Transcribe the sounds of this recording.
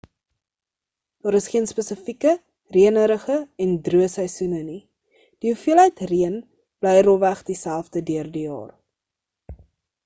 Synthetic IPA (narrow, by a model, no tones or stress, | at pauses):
d̥ɑːɾəsχiənspəsəfikə | riənəɾəχəɛndruəsəjsunəni | d̥iufiəlɦəjtriən | b̥lɛjrɔvæχdisælˠfdədyərdijɑ̰ːr